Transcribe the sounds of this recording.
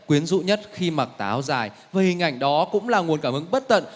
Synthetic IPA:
kwi˨˦ənzṵ˧˨ɲə˦˥t̚xi˧ma˨˩k̚t̪aː˨˦wzaː˨˩j | vəː˨˩hï˨˩ŋʔa˧˩jŋ̟ɗɔ˨˦kʊ̰˧˥ŋ͡mlaː˨˩ŋu˨˩ənkaː˧˩mhɨ˨˧˦ŋɓə˦˥t̚t̪ə̰˧˨n

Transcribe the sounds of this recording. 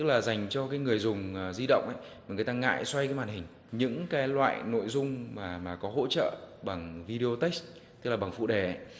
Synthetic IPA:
t̪ɨ˦˥k̚laː˨˩za˨˩jŋ̟t͡ɕɔ˧kaː˨˦jŋɨ˨˩əjzʊ˨˩ŋ͡mːzi˧ɗə̰˧˨wŋ͡mʔə̰˧˦j | ma˨˩ŋɨ˨˩jt̪aː˧ŋa̰ː˧˨jswa˧jkaː˨˦jmaː˨˩nhï˨˩ŋ̟ | ɲɨ̰˧˥ŋkaː˨˦jlwa̰ː˧˨jno̰˧˨jzʊ˧ŋ͡mmaː˨˩maː˨˩kɔ˨˦ɦo̰˧˥t͡ɕə̰ː˧˨ɓa˨˩ŋvi˧ɗe˧o˧t̪e˦˥s̚ | t̪ɨ˦˥k̚laː˨˩ɓa˨˩ŋfṵ˧˨ɗe˨˩ə̰˧˦j

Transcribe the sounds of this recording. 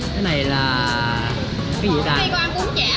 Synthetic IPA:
t̪ʰe˨˦na˨˩jlaː˨˩ | kaː˨˦jzi˨˩˨aː˧˩˧ʊ˧˨˦

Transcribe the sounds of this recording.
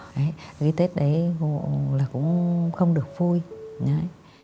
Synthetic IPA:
ʔə˨˦jɣi˧t̪e˦˥t̚ɗə˨˦j | laː˨˩kʊ̰˧˥ŋ͡mxə˧wŋ͡mɗɨ˨˩ək̚v̥u˧jɲə˨˦

